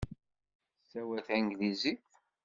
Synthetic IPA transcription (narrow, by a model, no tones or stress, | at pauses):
sːæwæθæŋɡlizi